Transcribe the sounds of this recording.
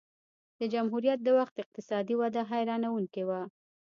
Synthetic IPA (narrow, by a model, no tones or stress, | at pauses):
d̪̥əd͡ʒamɦuɾijat̪̚d̪əwaxt̪ɪq̚t̪ɪsɑd̪iwad̪aɦajɾɑnawuŋkewa